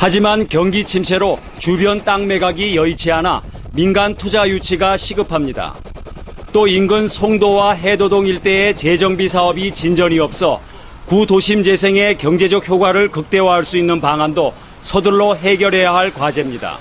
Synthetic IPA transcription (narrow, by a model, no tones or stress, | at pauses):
had͡ʑimankjʌŋɡit͡ɕʰims̬ʰe̞ɾo | t͡ɕubjʌnt͈aŋme̞ɡaɡijʌit͡ɕʰiana̰ | minɡantʰud͡ʑajut͡ɕʰiɡaɕʰiɡɯpʰamɲida̰ | t͈oinɡɯnsʰoŋdowaɦe̞dodoŋiɭt͈e̞ːt͡ɕed͡ʑʌŋbis̬ʰaʌbit͡ɕind͡ʑʌɲiʌp̚s͈ʌ̰ | kudoɕʰimd͡ʑe̞s̬ʰe̞ŋe̞kjʌŋd͡ʑe̞d͡ʑʌk̚çjoɡwaɾɯɭkɯk̚t͈e̞waɦaɭs͈uinːɯnpaŋando | sʰʌdɯɭːoɦe̞ɡjʌɾɦe̞jaɦaɭkwad͡ʑe̞mɲida̰